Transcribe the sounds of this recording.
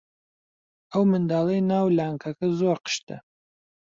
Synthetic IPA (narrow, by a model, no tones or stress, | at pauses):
ɐwmɨnd̪aːlˠɐjnaːwlaːŋkʰɐkɐzoːɾqə̥ʃt̪ɐ̰